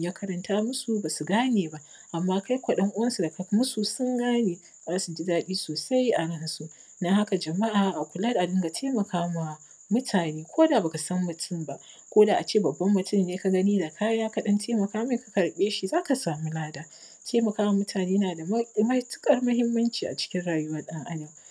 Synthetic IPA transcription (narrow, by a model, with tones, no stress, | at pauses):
jaː˦kʰɐ˦ɾɐ˨ntaː˦mʊ˦su˦ba˨su˨ɡaː˦neː˨ba˦ʔ | ʔa˨mːaː˦ka˦jkʷɐ˨ɗɐ˦ŋʔʊ˦wɐ˦nsu˨da˨ka˨˦mʊ˦su˨sʊ˦ŋɡaː˦neː˨ | zaː˦su˨d͡ʒi˦daː˦ɗiː˦soː˨sa˦jʔa˨ɽɪ˦n˨su˦ | nɐ˦ha˦ka˨d͡ʒɐ˨ma˦ʔaː˨ʔa˨kʷʊ˨lɐ˦dʔa˨dɪ˦ŋɡa˨tʰeː˦mɐ˨kʰaː˦ma˨ | mʊ˦tʰaː˨neː˦kʷʰoː˦da˨ba˨ka˨sɐ˦mːʊ˨tʰʊ˦˨mba˦ʔ | kʷoː˦daː˨ʔa˨t͡ʃeː˦˨bɐ˨bːɐ˦mːʊ˨tʊ˦˨mːeː˦ka˨ɡɐ˦niː˦da˨kʰaː˦jaː˦ka˨ɗɐ˦ntʰeː˦mɐ˨kaː˦ma˨˦kḁ˨kɐ˨ɽɓeː˦ʃi˨zaː˦ka˨saː˨mu˦laː˦daː˦ | tʰeː˦mɐ˨kaː˦wa˨mʊ˦tʰaː˨neː˦jnaː˨da˨m˦mɐ˦jtʊ̥˦kʼɐ˨rmʊ˦ɦɪ˦mːɐ˦nt͡ʃiː˨ʔa̰˨t͡ʃɪ̥˦kʲɪ˦nɽaː˨jʊ˦wɐ˦ɗɐ˦ŋʔa˦na˨w